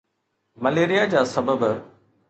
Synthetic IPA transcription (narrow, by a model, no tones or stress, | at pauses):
məleːɾijad͡ʑaːsɐbəb